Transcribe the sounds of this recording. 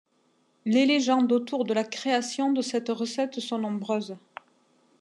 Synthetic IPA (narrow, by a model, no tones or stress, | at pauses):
leleʒɑ̃d̪ot̪uʁd̪əlakχeasjɔ̃d̪əsɛt̪ʁəsɛt̪sɔ̃nɔ̃bʁøːz